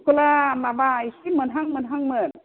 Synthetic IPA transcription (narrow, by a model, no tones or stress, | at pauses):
kulamabaisimɯnɦaŋmɯnɦaŋmɯn